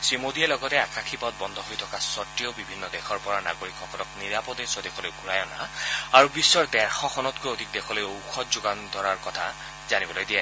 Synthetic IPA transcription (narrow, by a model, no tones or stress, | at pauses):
sɹimodiɛlɔɡɔtɛakaxʰipɔt̚bɔnd̪ʱɔɦojtʰɔkasɔtɹiɔbibʱinːɔdɛxʰɔɹpɔɹana̰ɡoɹikʰːɔkʰɔnɔkniɹapɔdesɔdɛkʰɔlojɡʱuɹajɔna̰aɹubisːɔɹdɛɹxɔkʰɔnɔtkojodʱik̚dɛkʰɔlojowkʰɔtzuɡand̪ʱɔɹaɹkɔtʰa | zanibɔlojdijɛ